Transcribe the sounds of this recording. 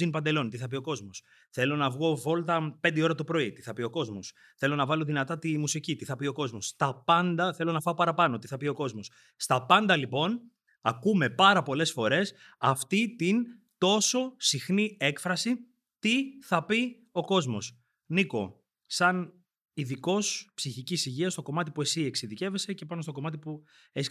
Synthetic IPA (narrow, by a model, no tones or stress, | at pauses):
inpɐnd̪e̞lo̞nt̪iθɐpio̞ko̞zmos | θe̞lo̞nɐvɣo̞vo̞lt̪ɐpend̪eo̞ɾɐt̪upɾo̞it̪iθɐpio̞ko̞zmo̞s | θe̞lo̞nɐvɐlo̞ðinɐt̪ɐt̪imusicit̪iθɐpio̞ko̞zmo̞st̪ɐpɐnd̪ɐθe̞lo̞nɐfɐopɐɾɐpɐno̞t̪iθɐpio̞ko̞zmo̞s | st̪ɐpɐnd̪ɐlipo̞n | ɐkume̞pɐɾɐpo̞le̞sfo̞ɾe̞s | ɐft̪it̪in | t̪o̞so̞sixnie̞kfɾɐsi | t̪iθɐpi | o̞ko̞zmo̞̰s | niko̞̰ | sɐn | iðiko̞spsiçicisiʝiɐst̪o̞ko̞mɐt̪ipue̞sieksiðice̞ve̞se̞cepɐno̞st̪o̞ko̞mɐt̪̬ipu | es